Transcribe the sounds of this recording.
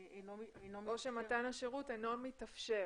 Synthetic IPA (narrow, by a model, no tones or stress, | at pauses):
oʃematanaʃeʁutenomitafʃe